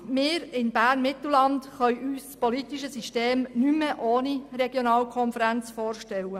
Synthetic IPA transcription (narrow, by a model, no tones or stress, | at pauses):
mɪːɾɪnb̥æːrnmɪt̪l̩lɑntχœʏʔyːspɔlitiʃəsiʃteːmnyməʔoːniɾɛɡjonɑːlkʰɔnfəɾænt͡sfoːrʃtɛlə